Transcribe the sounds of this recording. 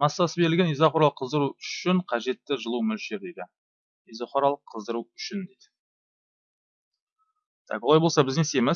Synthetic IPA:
mɑsːɑsəbe̞ɾɪlɡʲe̞nijzɑχoɾɑlˠəqʰːəzd̪əɾuʏʃɪɴqʰɑʒe̞t̪ːɪʒəlˠumʏlʃeɾd̪ejd̪ɪ | ijzoχoɾɑlˠəqʰːəzd̪əɾuʏʃɪnd̪ejd̪ɪ | t̪ʰɑ̰kwo̞lˠɑjbolsɑbɪzɡ̪ʲesemɪ

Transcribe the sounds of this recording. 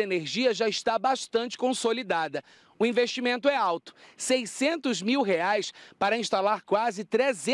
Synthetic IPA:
eneɾʒiɐʒaɪʃt̪abaʃt̪ɐ̃nt͡ʃɪ̥kõsolid̪ad̪ɐ | ʊĩveʃt͡ʃimẽnt̪ʊɛawt̪ʊ̥sejsẽnt̪ʊzmiwɦeajspaɾɐĩst̪alaɾkwazɪt̪ɾezẽ

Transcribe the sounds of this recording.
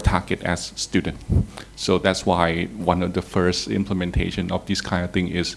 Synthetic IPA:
tʰaɡɨtɛ̰sːtjudə̃ntsodætswaɪwãnɔfdəfɜ˞stɪ̰̃mpʰləmɛ̃ntʰḛɪʃə̃nɔfd̪iskʰãɪ̃ndɔθɪ̃ŋɪs

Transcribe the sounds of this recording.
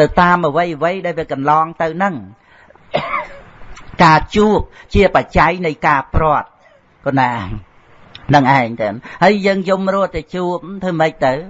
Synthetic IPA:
t̪ɨwt̪aːmʔəʋəjʋəjɗaɛlʋiəkɑnlɑːŋt̪ɨwnɨŋ | kaːt͡ɕuəp̚t͡ɕiəpat͡ɕajnɨjkaːprŏət̪̚ | konaː | nɨŋʔaɛŋt̪ɨnhəːjjəːŋjumrʊət̪ɛt͡ɕuəp̚t̪ʰɨːməc̚t̪ɨw

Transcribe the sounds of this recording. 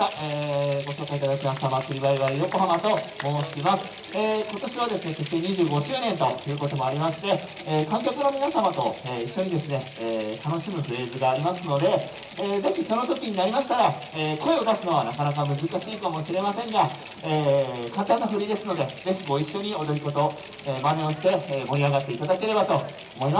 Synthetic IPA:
aeːɡo̞ɕo̞ːkait̪ad̪akʲimaɕi̥t̪amakɯ̟ɾʲibaiβaɾijo̞ko̞ɦamat̪o̞mo̞ɕimasɨ̥ | eːko̞t̪o̞ɕiβad̪e̞sɨne̞k̪e̞se̞ːɲ̟iʑɨːɡo̞ɕɨːnẽ̞nt̪o̞jɯ̟ːko̞t̪omo̞aɾʲimaɕi̥t̪e̞ | eːkãŋk̬ʲakɯno̞mʲinasamat̪o̞eːiɕːo̞ɲ̟id̪e̞sɨne̞ | eːt̪ano̞ɕimɯ̟ɸɯ̟ɾe̞ːzɨɡaːɾʲimasɨno̞d̪e̞ː | ze̞çʲiso̞no̞t̪o̞kʲiɲ̟inaɾʲimaɕi̥t̪aɾa | eːko̞e̞od̪asɨno̞β̞anakanak̬amɯ̟zɨkaɕiːkamo̞ɕiɾe̞masẽ̞ŋɡa | eːkãnt̪ãnːaɸɯ̟ɾʲid̪e̞sɨno̞d̪e̞ze̞çiɡo̞iɕːo̞ɲ̟io̞d̪oɾʲiko̞t̪o̞ | eːmaneoɕi̥t̪e̞ːmo̞ɾʲiaɡat̪ːe̞it̪ad̪ake̞ɾe̞bat̪o̞ː | mo̞ima

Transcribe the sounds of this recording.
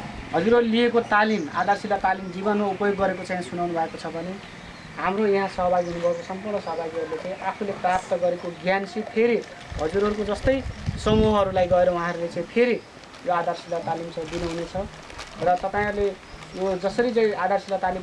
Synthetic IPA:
ɦʌd͡zuɾʌɾuliekot̪alima̰d̪ʱarsilːat̪alimd͡zibʌnmaupʌjoɡːʌɾekot͡saĩsunawnubʱʌekot͡sʰʌbʱʌne | ɦamrojaɦãsʌɦʌbaɡiɦunubʱʌekosʌmpurɳʌsʌɦʌbaɡiɦʌɾulet͡saĩʔapʰuleprap̚t̪ʌɡʌɾekoɡjansʰipʰeɾi | ɦʌd͡zuɾɦʌɾukod͡zʌst̪ʌjsʌmuɦɦʌɾulajɡʌeɾʌwɦãɾulet͡saĩpʰeɾi | joad̪ʱarsilat̪alimsʌ̃d̪inuɦunet͡sʰʌ | rʌt̪ʌpaĩɦʌɾule | jod͡zʌsʌɾit͡sʌĩad̪ʱarsilat̪alim

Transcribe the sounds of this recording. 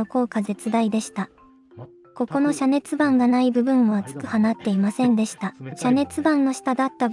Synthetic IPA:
oko̞ːkaze̞t͡sɨd̪aid̪e̞ɕi̥t̪a | ko̞ko̞no̞ɕane̞t͡sɨbãŋɡanaibɯ̟bɯ̟̃ɰ̃o̞at͡sɨ̥kɯ̟hanat̪ːe̞imasẽ̞nd̪e̞ɕi̥t̪aɕane̞t͡sɨbãnːo̞ɕi̥t̪ad̪at̪ːa

